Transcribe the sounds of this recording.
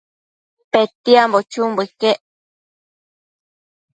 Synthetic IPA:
pet̪iambot͡ʃumbɨkeʔ

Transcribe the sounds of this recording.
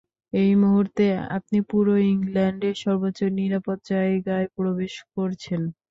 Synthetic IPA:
ejmoɦuɾt̪ea̰p̚nipuɾoiŋlɛɳɖeɾʃɔɾbotːt͡ɕːoɾniɾapot̪̚ːd͡ʑaeɡaepɾobeʃkoɾt͡ɕʰen

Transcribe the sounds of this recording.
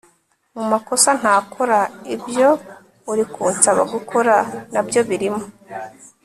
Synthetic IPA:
mumako̞san̥haːkʰoɾaibjo̞ | uɾikuːnsaβa̰ɡukʰoɾanabjo̞βiɾimo

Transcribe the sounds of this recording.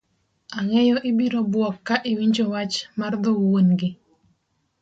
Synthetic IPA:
aŋɛjɔʔɪbiɾobwɔkːaʔɪwiɲd͡ʒowat͡ʃmard̪ɔwonɡɪ

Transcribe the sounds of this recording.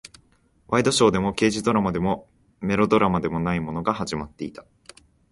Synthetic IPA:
βaid̪o̞ɕo̞ːd̪e̞mo̞ke̞ːʑid̪o̞ɾamad̪e̞mo̞ | me̞ɾo̞d̪o̞ɾamad̪e̞mo̞naimo̞no̞ɡahaʑimat̪ːe̞it̪ḁ

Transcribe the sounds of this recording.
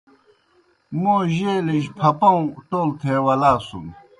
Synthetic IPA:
moʑelepʰapɑŋʈolt̪ʰewalasuŋ

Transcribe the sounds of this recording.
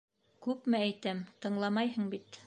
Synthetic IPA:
kʉpmɘæjt̪æmt̪ɤ̆ɴlˠɑmɑjɦɤɴbit̪

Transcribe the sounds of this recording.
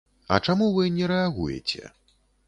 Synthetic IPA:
ɐ̰t͡ʂamuvɨnʲɛɾɛaɣṵjɛ̰t͡sʲɛ̰

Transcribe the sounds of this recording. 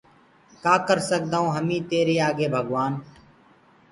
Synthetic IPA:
kaːkəɾsək̚d̪aːõːɦəmĩːt̪eːɾeːaːɡeːbʱəɠʋaːn

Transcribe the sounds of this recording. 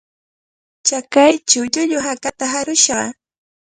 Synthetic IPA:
t͡ʃakajt͡ʃawʎʊʎʊɦakat̪aɦaɾʊʃɢɑ̰

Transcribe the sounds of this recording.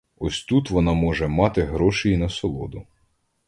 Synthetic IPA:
ɔsʲt̪ut̪ʋɔnɑmɔʒɛmɑt̪ɪɦɾɔʃɪjinɐsɔlˠɔ̰d̪ʊ

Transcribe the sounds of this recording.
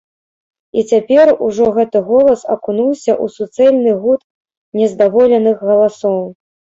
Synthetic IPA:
it͡sʲapʲɛruʐɔɣɛt̪ɨɣɔlˠɐsɐkunuwsʲɐʔusut̪sɛlʲnɨɣut̪ | nʲɛzd̪avɔlʲɛnɨxɣɐlˠasɔw

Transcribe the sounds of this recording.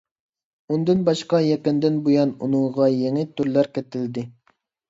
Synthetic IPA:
und̪ɨnbɑʃqɑjɛkʲɪnd̪ɪnbujɑnṵnɨŋʁɑjeŋɪt̪ʰyɾlæɾkʲet̪ɪld̪ɪ

